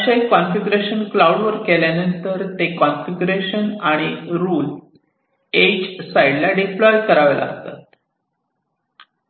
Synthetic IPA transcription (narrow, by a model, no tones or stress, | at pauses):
aɕaikːɔnfiɡɾeɕənklawɽʋəɾkeljanənt̪əɾt̪ekɔnfiɡɾeɕənaɽ̃iɾuːl | ed͡ʑsaiɖlaɖiplɔjkəɾaʋela̰ːst̪a̰t̪